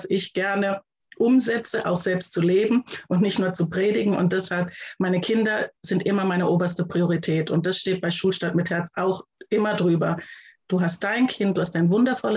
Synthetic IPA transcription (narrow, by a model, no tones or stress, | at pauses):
sʔɪçɡ̥ɛɐnə | ʔʊmzɛt͡səʔa̰ʊxz̥ɛlpstt͡suleːbm̩ʔʊntnɪçtnuːɐt͡supʁ̥eːdɪɡŋ̩ʊ̰nt̚d̥ɛshalpmaɪnəkʰɪndɐzɪntʔɪmɐmaɪnəʔoːbɐstəpʁ̥ioʁitʰɛːtʊnt̚d̥asʃteːt̚b̥aɪʃuːlʃtatmɪthɛɐt͡sʔaʊxʔɪmɐdʁyːbɐd̥uːɦast̚d̥aɪnkʰɪnt̚d̥uːhastd̥aɪnvʊndɐfɔlə